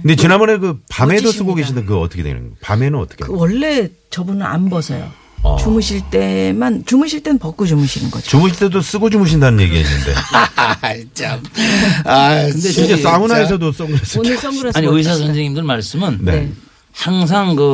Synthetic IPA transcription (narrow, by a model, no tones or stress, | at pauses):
kɯndet͡ɕinambʌɾekɯpame̞dos͈ɯɡoɡeɕʰindek̬ɯʌt͈ʌkʰedʰḛj̰ḛɡpame̞nɯnʌ̰t͈ʌ̥kʰekɯwʌɭːe̞ | t͡ɕʌbunɯɾa̰nbʌsʰʌ̰jo̰ | t͡ɕumɯɕʰiɭt͈e̞mant͡ɕumɯɕʰiɭt͈e̞nɯnpʌk͈od͡ʑumɯɕʰinɯ̰nɡʌd͡ʑit͡ɕumɯɕʰiɭt͈edos͈ɯɡod͡ʑumɯɕ̬ʰindanɯnɲjeɡia̰ɕʰinɯ̰nde̞̰ | t͡ɕamakɯndeid͡ʑes͈aunaes̬ʰʌdos͈ʌŋɡuɾes͈ɯɭnɯs͈ʌŋɡuɾesaɲiɯis̬ʰas̬ʰʌnd͡ʑeŋimdɯɭmaɭs͈ɯmɯnnḛ | haŋs̬ʰaŋkɯ